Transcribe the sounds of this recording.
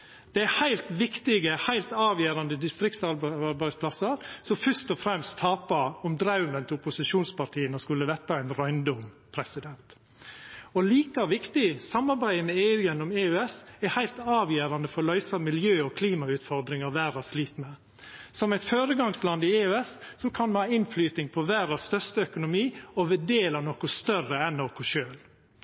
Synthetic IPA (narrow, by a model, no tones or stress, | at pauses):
d̪̥ɛæhæɪlt̪ʋɪkt̪ɪɡəhæɪlt̪ɑːʋjeːɾɑnd̪əd̪ɪst̪ɾɪkt̪sɑɾbɾbæɪspʰlɑsəɾsɔmfœʂt̪ɔfɾɛmst̪ʰːɑːpɑɔmd̪ɾɑʉmənt̪ʰɪʊpʊsɪʃuːnspɑʈʰiːənɔskʉlːəʋɛt̪ːɑɛɪnɾœʏnd̪ʊm | pʰɾɛsɪd̪ɛnt̪ | ɔliːkɑʋɪkt̪ɪsɑmːɑɾbæɪəmɛeːʉːjɛnːɔmeːʉɛsɛɾhæɪlt̪ɑːʋjeːɾɑnd̪əfɔɾlœʏsɑmɪljøːɔkʰliːmɑʉːt̪fɔɾd̪ɾɪŋɑɾʋæːɾɑsliːt̪mɛ | sɔmæɪt̪føːɾəɡɑŋslɑnd̪ɪeːʉɛsːɔkʰɑnmɛhɑːɪnflyːt̪nɪŋpʰɔʋæːɾɑsst̪œɾst̪əœkʊnʊmiːɔʋɛd̪eːlɑnɔkʊst̪œrəɛnːɔkʊʃøːl